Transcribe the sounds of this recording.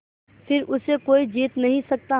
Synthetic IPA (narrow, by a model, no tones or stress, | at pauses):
fɪɾʊsekoːid͡ʒiːt̪nɐɦĩsɐk̚t̪a